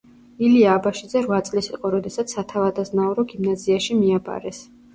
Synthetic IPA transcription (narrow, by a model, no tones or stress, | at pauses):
iliaːbaʃid̪zɛɾvat̪sʼlisiqʼɔɾɔd̪ɛsat̪sʰːat̪ʰavad̪aznaɔɾɔɡimnaziaʃimiaba̰ɾɛs